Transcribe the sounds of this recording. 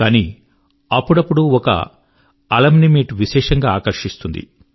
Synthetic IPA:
kaːniː | ɐpːuɽɐpːuɽuɔkɐ̰ | ɐlɐmnimiːʈʋiʃɛːʂɐŋɡaːaːkɐɾʂist̪und̪ḭ

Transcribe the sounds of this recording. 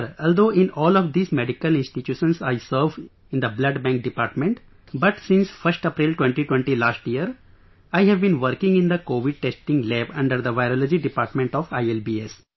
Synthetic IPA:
ɾɔːld̪oːɪ̃nɔːlɔʋd̪iːzmeɖikəlɪ̃nsʈiʈjuːʃə̃nsaɪsəɾʋ | ɪ̃nd̪əblʌɖbæ̃ŋk̚ɖɪpaːɾʈmẽɳʈ | bɐʈsɪ̃nsfʌɾsʈəpɾilʈwẽɳʈiʈwẽɳʈilaːsʈiəɾ | aɪɦɛʋbĩnʋəɾkɪ̃ŋɡɪ̃nd̪əkoːʋɪɖ̚ʈesʈĩŋɡleːbʌ̃ɳɖəɾd̪əʋaɪɾɔːlɔd͡ʒiɖɪpaːɾʈmẽɳʈɔʋaɪelbiːes

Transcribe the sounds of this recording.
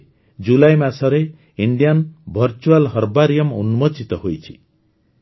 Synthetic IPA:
d͡ʒulajmasɔɾe | iɳɖijanbʱɔɾt͡ʃualɦɔɾbaɾijɔmṵnumɔt͡ʃit̪ɔɦojt͡ʃʰi̥̰

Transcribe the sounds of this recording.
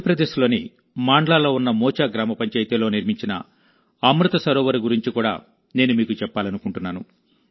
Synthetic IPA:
ɐpɾɐd̪eːʃulo̞ːni | maːɳɖlaːlo̞ːunːɐmɔːt͡ʃaːɡɾaːmɐpɐɲt͡ʃejt̪eːlo̞ːniɾmiɲt͡ʃinɐ̰ | ɐmɾut̪ɐsɐɾɔːʋɐɾiɡuɾiɲt͡ʃikuːɽa̰ː | ne̞ːnumiːkut͡ʃɛpːaːlɐnukuɳʈunːaːnṵ

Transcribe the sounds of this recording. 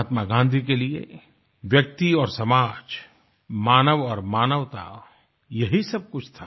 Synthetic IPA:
t̪maɡãːnd̪ʱik̬eliḛ | ʋjək̚t̪iɔːɾsɐmaːd͡ʒ | maːnəʋɔːɾmaːnəʋt̪a̰ | jɐɦisɐb̚kʊt͡ʃʰt̪ʰaː

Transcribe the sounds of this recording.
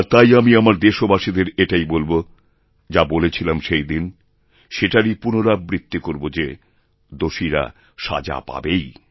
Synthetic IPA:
aɾt̪ajamiamaɾd̪eʃobaʃid̪eɾeʈajbolbo | d͡ʑabolet͡ɕʰilamʃejd̪in | ʃeʈaɾipunoɾaːɾit̪ːikoɾbod͡ʑe | d̪oʃiɾa̰ | ʃa̰d͡ʑa̰pa̰bej

